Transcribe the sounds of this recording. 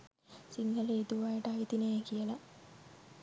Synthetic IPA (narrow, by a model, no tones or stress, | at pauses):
siŋɡɐleit̪uʋaːjɐʈajt̪inejekijɐlɐ